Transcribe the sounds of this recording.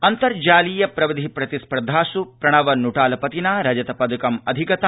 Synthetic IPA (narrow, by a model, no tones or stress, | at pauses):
ɐnt̪ɐɾd͡ʒaːliːjɐpɾɐʋid̪ʱipɾɐt̪ispɾɐd̪ʱaːsupɾɐɳ̃ɐʋɐnuʈaːlɐpɐt̪inaːɾɐd͡ʒɐt̪ɐpɐd̪ukɐmɐ̰d̪ʱikɐt̪ɐ